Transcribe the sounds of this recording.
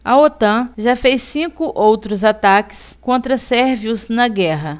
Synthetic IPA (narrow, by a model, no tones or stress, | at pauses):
ɐot̪ɐ̃ʒafejssĩkʊʔowt̪ɾʊzat̪akɪ̥s | kõnt̪ɾɐsɛɾviʊznɐɡɛɦɐ